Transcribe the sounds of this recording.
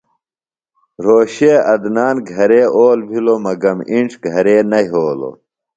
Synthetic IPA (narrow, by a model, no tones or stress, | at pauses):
ɾoːɕeːɐd̪naːnɡʱɐɾeːʔoːlbʱilomɐɡɐmiɳʈ͡ʂʰɡʱɐɾeːnɐɦoːlo̰